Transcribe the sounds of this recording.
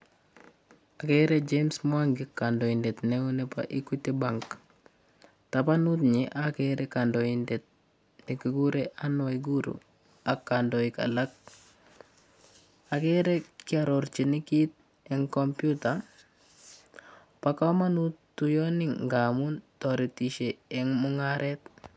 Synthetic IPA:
akɛɾɛd͡ʒemsmwaŋɡikandɔindetnɛunɛpa̰ʔikutibaŋk | tapanutɲeʔakeɾɛkandoindet̚ | nikiɡuɾeʔanɔiɡuɾṵ | akːandɔika̰lak̚ | akeɾekɪaɾɔɾt͡ʃinikit̚ | ɛŋkɔmpjuta | pakamanutː | ujɔnɪŋŋɡamuntɔɾitiʃeːŋmuŋaɾʔɛt̚

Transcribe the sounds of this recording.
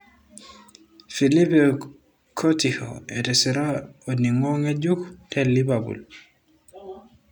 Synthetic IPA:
filipɛ | kʰotiho̰ɛtɛsiɾaoniŋɔŋed͡ʒuktɛlːibabṵl

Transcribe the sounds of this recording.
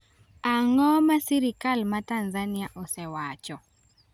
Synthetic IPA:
aŋɔmasiɾikalmatanzaniaʔɔsɛwat͡ʃɔ

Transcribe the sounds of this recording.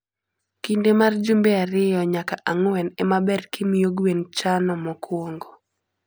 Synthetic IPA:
kindemard͡ʒumbeaɾɪjɔɲakaʔaŋwɛnɛmabɛrkimijoɡwent͡ʃanɔmɔkwoŋɡo

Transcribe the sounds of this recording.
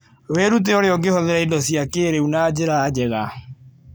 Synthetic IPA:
weːɾut̬ɛoɾeɔɡehɔðɛɾaidɔsjakeɾeunaːd͡ʑeɾaːd͡ʑɛɣa

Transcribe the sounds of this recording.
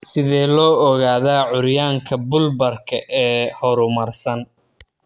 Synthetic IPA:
sɪðɛːlɔːɔɣaːðaːʕʊɾjaːŋkʰɐbʊlbɐrkʰɐʔɛːhɔɾʊmɐrsɐn

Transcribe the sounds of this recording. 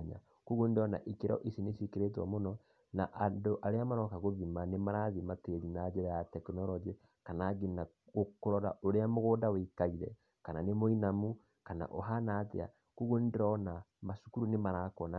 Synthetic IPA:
ɲa̰ | kuɣundeɔna̰ʔikeɾɔ̰ʔisinesikeɾet̬wa̰monɔ | na̰ʔandoʔaɾeamaɾɔkaɣoðimanemaɾaðimateɾinad͡ʒeɾajatɛknɔlɔd͡ʒi | kanaɡina | ɣokoɾɔɾa̰ʔoɾeamoɣoːdawekaiɾɛ̰ | kananemoinamu | kana̰ʔoɦanatḛa̰ | kuɣundɔnamaʃu̥kuɾunemaɾakɔna

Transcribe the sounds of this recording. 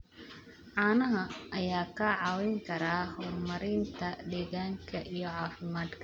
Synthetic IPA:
ʕɑːnɐɦɐʔɐjaːkʰɐʕɑːwɪŋkʰɐɾaːhɔːrmɐɾɪnt̪ʰɐd̪ɛːɣaːŋkʰɐʔijɔʕɑːfɪmaːd̪kʰɐ

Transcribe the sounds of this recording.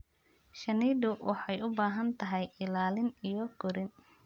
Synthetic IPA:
ʃɐniːdʊwʔɑħɑjʊbaːɦɐnt̪ʰɐɦɛjɪlaːlɪnijɔɡ̥ʊɾɪn

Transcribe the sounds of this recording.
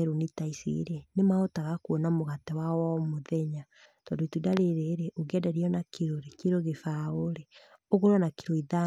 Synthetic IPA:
ɾonitaisḭɾenemaotaɣakwɔnamoɣatɛwawɔmoðɛɲa | tɔndoitudaɾeɾeɾɛʔoɡɛdaɾiɔnakeɾoɾekiɾoɣefaoɾeoɣoɾwanakiɾoiða

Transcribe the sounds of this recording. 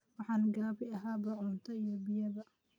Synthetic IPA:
wɑħɑːnɡɐbɪɐɦaːbɐʕʊnt̪ʰɐijɔbɪjɐβɐ

